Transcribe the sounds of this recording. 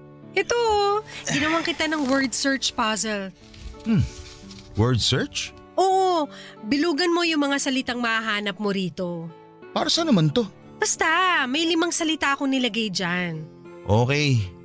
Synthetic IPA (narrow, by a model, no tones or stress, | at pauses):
ʔɛt̪oɡɪnɐwaŋkɪt̪anɐŋwɛɹd̪̚sɛɹt͡ʃpaːzɛl | mm̩ | wɛɹd̪sɛɹt͡ʃ | ʔoːʔo | bɪluːɡɐnmo̞jʊŋmɐŋasɐlɪt̪aŋmɐhaɦaːnɐp̚moɾiːt̪o̞ | paːɾɐsɐnɐmant̪o̞ | b̥ɐst̪amɐjlɪmaŋsɐlɪt̪aʔko̞nɪlɐɡɐjd͡ʒan | ʔoːkɛj